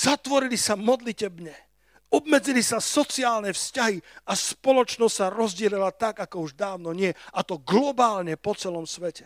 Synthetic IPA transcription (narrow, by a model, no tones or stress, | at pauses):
z̥at̪ʋɔɾilisamɔd̪licɛbɲɛ | ɔb̚mɛd͡zilisasɔt͡siaːlnɛfscaɦiaspɔlɔt͡ʃnɔstsaɾɔzɟɛlɛlat̪aɡakɔuʒd̪aːʊnɔɲɪɛat̪ɔɡlɔbaːlɲɛpɔt͡sɛlɔmsʋɛcɛ